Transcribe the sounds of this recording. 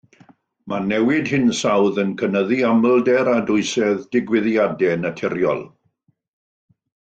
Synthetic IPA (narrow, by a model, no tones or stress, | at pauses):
mʔanɛwɪdhɨnsawðənkʰənəðiaməlˠdɛɾadʊɨsɛðdɪɡwɪðjadɛnətʰɪɾjɔ̰lˠ